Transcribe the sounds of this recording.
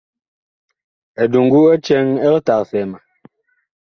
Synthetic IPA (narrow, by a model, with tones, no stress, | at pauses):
ɛ˨du˨ŋɡu˦ɛ˦t͡ʃɛ˦ŋɛ˦lta˨kfɛ˨ma˨